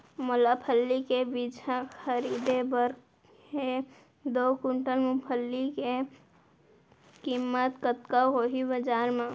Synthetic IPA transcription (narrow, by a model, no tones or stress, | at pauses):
mʊlapʰəlːikebid͡ʒaxəɾiːd̪ebəɾk | he | d̪oːkʊɳʈəlmʊpʰəlːike | kimːət̪kət̪kaɦoːɦibəd͡ʒaːɾmã